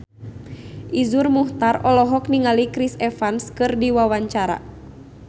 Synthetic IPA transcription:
ʔizurmuht̪aɾɔlɔɦɔkniŋalikɾisɛfanskɨrdiwawaɲt͡ʃaɾa̰

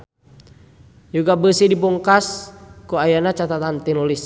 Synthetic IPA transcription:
juɡabəsidibɔŋkaskuajanat͡ʃat̪at̪ant̪inulis

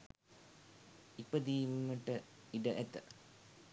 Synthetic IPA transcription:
ipəd̪iːmməʈəiɖəʔet̪ə

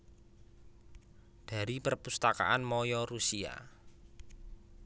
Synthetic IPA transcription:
d̪̥a̤ɾipərpust̪aka̰ʔanmɔjɔɾusia̰

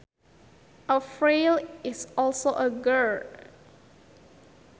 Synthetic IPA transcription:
ʔəfɹelɪsɔlsoʔəɡɜ

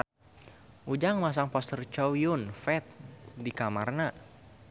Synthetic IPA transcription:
ʔud͡ʒaŋmas̬aŋpɔst̪ərt͡ʃɔwjʊnfɛt̪̚dikamarna

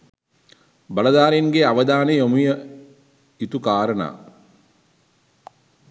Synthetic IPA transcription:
bɐlɐd̪aːɾinɡeaʋɐd̪aːnejomujɐ | it̪ukaːɾɐna̰ː

